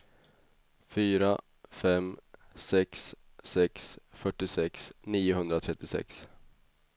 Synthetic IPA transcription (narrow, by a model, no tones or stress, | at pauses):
fyːɾa | fɛmsɛks | sɛksfœʈːɪsɛksniːʊɦɵnd̪ɾat̪ʰɾɛt̪ːɪsɛ̰ks